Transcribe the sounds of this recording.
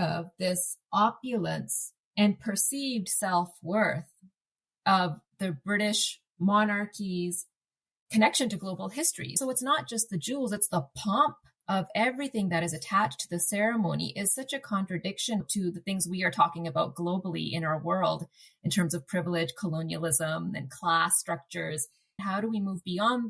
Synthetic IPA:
ʌvðɪsʔɑpjɨlˠə̃ns | ɨ̃npʰə˞sivd̥sɛlˠfwɜ˞θ | ʔʌvðɨbɹɪɾɪʃ | mɑnɑɹkʰiz̥ | kʰɨnɛkʃɨ̃ntɨɡloʊbl̩ˠɦɪstɹ̥ḭsoʊɨtsnət̚d̥ʒ̥ʌst̪̚ðɨd͡ʒulˠzɨtsðəpʰɑ̃mp̚ | ʔʌvɛvɹiθɪ̃ŋðɨɾɨzɨtʰæt͡ʃtʰɨðɨsɛɹɨmõʊ̃nḭʔɪz̥sʌt͡ʃɨkʰɑ̃nt͡ʃɹ̥ɨdɪkʃɨ̃ntʰɨðɨθɪ̃ŋzwiə˞tʰɔkɪ̃ŋɨbaʊt̚ɡ̥loʊbl̩ˠḭʔɪ̰̃ñaʊə˞wɜ˞lˠdɨ̃ntʰɜ̃˞mzʌv̥pʰɹ̥ɪvl̩ˠɪd̥ʒ̥kʰəlõʊ̃niɨl̩ˠɪzə̃mɨ̰̃nkʰl̥æstɹ̥ʌk̚t͡ʃə˞z̥ | ɦaʊɾəwimuvbiɑ̃n

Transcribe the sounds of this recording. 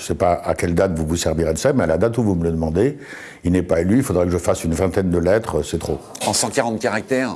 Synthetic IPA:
əsɛpaa̰kʲɛld̪at̪vuvusɛʁviʁed̪əsamɛalad̪at̪uvumələd̪əmɑ̃d̪e | ilnɛpaelyilfod̪ʁɛkəʒəfasynvɛ̃t̪ɛnd̪əlɛt̪χəsɛt̪χoɑ̃sɑ̃kʲaʁɑ̃t̪̚kʲaʁak̚t̪ɛʁ

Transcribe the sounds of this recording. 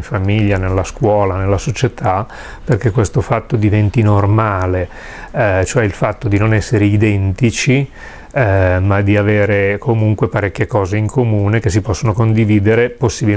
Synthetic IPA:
ɱfamiʎːanelːaskwɔːlanelːasot͡ʃet̪ʰa | perkekːwest̪ofat̪ːod̪ivɛnt̪inormaːle | t͡ʃoɛilfat̪ːod̪inonɛsːeɾeid̪ɛnt̪it͡ʃi | mad̪iaveːɾekʰomuŋkwepaɾɛkʲːjekɔːzeiŋkʰomuːnekes̬ipɔsːonokond̪iviːd̪eɾeposːibil

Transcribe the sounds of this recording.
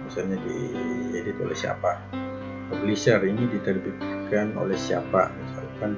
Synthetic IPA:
misalɲadḭedɪt̪o̰lɛ̰hsia̰pa | poblisərinidit̪ərbit̪kano̰lɛhsia̰pa̰misa̰lkan

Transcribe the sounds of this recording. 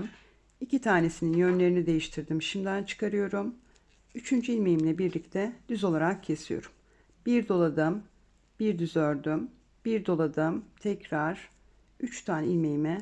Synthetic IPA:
m | icit̪ʰaːne̞sininjø̞nlʲe̞ɾinid̪e̞jiʃt̪ʰiɾd̪imʃimd̪ænt͡ʃʰɯ̥kʰaɾɯjo̞ɾum | yt͡ʃʰynd͡ʒyilʲme̞jimlʲɛbiɾlʲic̚t̪ʰɛd̪̥yzo̞lˠaɾakcʰe̞sijo̞̰ɾum | b̥iɾd̪o̞lˠad̪ɯm | b̥iɾd̪yzøɾd̪ym | b̥iɾd̪o̞lˠad̪ɯmt̪ʰɛcɾaɾ̥ | yt͡ʃt̪ʰanilʲmejimɛ

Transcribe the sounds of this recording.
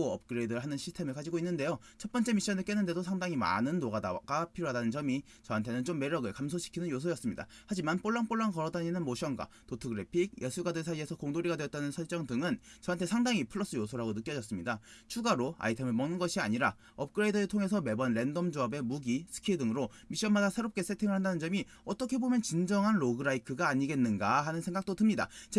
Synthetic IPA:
oʌp̚k͈ɯɾeidʌɾɯɭɦanɯnɕʰistʰe̞mɯɭkad͡ʑiɡoinːɯnde̞jo | t͡ɕʰʌt̚p͈ʌnt͡ɕ͈e̞miɕ͈ʌnɯɭk͈enːɯnde̞dosʰaŋdaŋima̰nɯnːoɡadakapʰiɾoadanɯnt͡ɕʌmi | t͡ɕʌɦantʰe̞nɯnt͡ɕomːe̞ɾjʌɡɯɭkams̬ʰoɕʰi̥kʰinɯnjosʰojʌs͈ɯmɲida̰had͡ʑimanp͈oɭːaŋp͈oɭːaŋkʌɾʌdaɲinɯnmoɕʰʌŋɡwa̰ | totʰɯɡɯɾepʰiɡ̚jʔʌsʰuɡadesʰaie̞sʰʌkoŋdoɾiɡadweʌt͈anɯnsʰʌɭt͡ɕ͈ʌŋdɯŋɯnt͡ɕʌɦantʰe̞sʰaŋdaŋipʰɯɭːʌs͈ɯjosʰoɾaɡonɯk͈jʌd͡ʑʌs͈ɯmɲidat͡ɕʰuɡaɾoa̰itʰe̞mɯɭmʌnɯnɡʌɕʰiaɲiɾa | ʌp̚k͈ɯɾeidʌɾɯɭtʰoŋe̞s̬ʰʌme̞bʌnɾe̞ndʌmd͡ʑoabe̞muɡisʰɯ̥kʰidɯŋɯɾo | miɕ͈ʌnmadasʰe̞ɾop̚k͈e̞s͈ʰetʰiŋɯɭhandanɯnd͡ʑʌmi | ʌt͈ʌkʰe̞bomjʌnt͡ɕind͡ʑʌŋɦanɾoɡɯɾaikʰɯɡaːɲiɡe̞nːɯnɡaɦanɯnsʰe̞ŋɡak̚t͈otɯmɲida̰t͡ɕe

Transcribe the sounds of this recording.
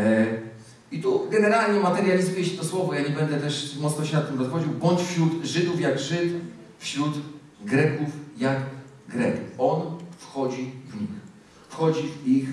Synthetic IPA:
it̪uɡɛnɛɾalɲɛmat̪ɛɾʲjalʲizvʲjɛɕɛt̪ɔswɔvɔjaɲɛbɛnd̪ɛt̪ɛʂmɔt̪nɔɕɛnat̪ːɘmɾɔsxɔd͡ʑiwbɔɲt͡ɕfɕɾud̪ʐɘd̪ufjaɡʐɘt̪ | fɕɾut̪ | ɡɾɛkufjaɡ | ɡɾɛkuɔnfxɔd͡ʑivɲix | fxɔd͡ʑivix

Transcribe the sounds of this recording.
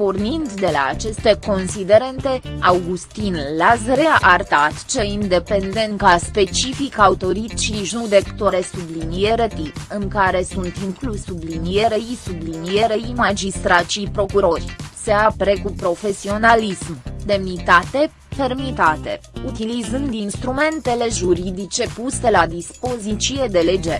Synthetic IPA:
pornind̪d̪e̞la̰ːt͡ʃe̞st̪e̞ko̞nsid̪e̞ɾe̞nt̪e̞awɡust̪inlazɾeaʔart̪at̪t͡ʃeind̪e̞pend̪e̞ŋkaspe̞t͡ʃifikawt̪o̞ɾit̪t͡ʃiʒud̪ekt̪oɾesublinijeɾət̪iɨŋkaɾe̞sunt̪iŋklusublinije̞ɾeisublinijeɾejimad͡ʒist̪ɾat̪ʃipɾo̞kuɾo̞rʲseapeɾekupɾo̞fe̞sio̞nalismd̪e̞mnit̪at̪e̞ | fe̞rmit̪at̪e̞̰ut̪ilizɨnd̪inst̪ɾume̞nt̪e̞le̞ʒuɾid̪it͡ʃe̞puse̞lad̪ispo̞zit͡ʃie̞d̪e̞led͡ʒeɾ

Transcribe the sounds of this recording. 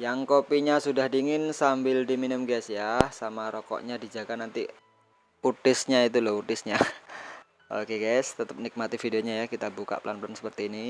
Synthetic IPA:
jaŋkopiɲasudahdiŋɪnsambɪldiminəmɡasjasamaɾɔkɔ̰ʔɲadid͡ʒaɡanant̪i | ut̪ɪsɲait̪ulɔɦut̪ɪsɲa | ʔo̰keɡaɪst̪ət̪əp̚nik̚mat̪ifideoɲajakit̪abuka̰ʔplanplansə̥pərt̪iːni

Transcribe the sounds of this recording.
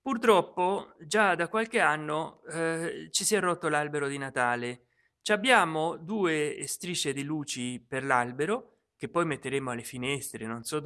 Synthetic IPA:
purt̪ɾɔpːod͡ʒad̪akwalk̟eanːo | t͡ʃisjɛrːot̪ːolalbeɾod̪inat̪aːle | t͡ʃabːjaːmod̪uːest̪ɾit͡ʃːed̪iluːt͡ʃiperlalbeɾo | k̟epːɔjmet̪ːeɾeːmoalːefinɛst̪ɾenonsɔ

